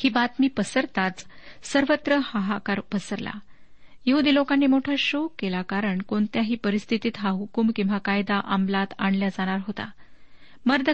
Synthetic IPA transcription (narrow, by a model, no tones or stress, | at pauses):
hiːbat̪miːpəsəɾt̪at͡s | səɾʋət̪ɾəhaɦakaɾpəsəɾla̰ | jeɦud̪iːlokanːiːmoʈʰaɕokːelakaɾəɳkoɳt̪jaɦiːpəɾist̪ʰit̪iːt̪ɦaɦukumkĩw̃ʋakajd̪aʔamlat̪aɳljad͡zaɽ̃aɾɦot̪a̰ | məɾd̪ʱə